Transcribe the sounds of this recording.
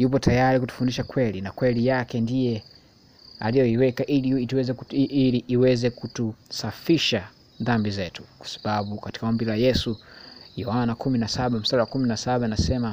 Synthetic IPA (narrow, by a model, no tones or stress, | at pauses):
jup̬ɔtajaɾikutu̥fundiʃakwɛlinakwɛlijakɛndijɛ | a̰lijɔiwɛkaʔiltwɛzɛkiliʔːwɛzɛkutusafiʃa | ðambizɛtu̥kwḁsḁɓaɓukati̥kaɔmbilajɛsujɔhanakuminasaɓam̩saɾawakuminasaɓainasɛma